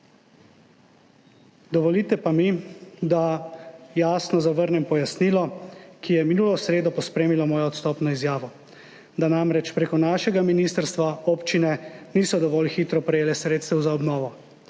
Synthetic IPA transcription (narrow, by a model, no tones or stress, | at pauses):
d̪ɔʋɔliːt̪ɛpamid̪a | jaːsnɔzaʋəɾnɛmpɔjasniːlɔkʰijɛminuːlɔsɾeːd̪ɔpɔspɾeːmilɔmɔːjɔɔt̪st̪ɔːpnɔizjaːʋɔ | d̪anamɾɛt͡ʃpɾeːkɔnaːʃɛɡaminiːst̪əɾst̪ʋaoːpt͡ʃinɛniːsɔd̪ɔʋɔːlxiːt̪ɾɔpɾɛjeːlɛsɾeːt̪st̪ɛwzaɔbnɔːʋɔ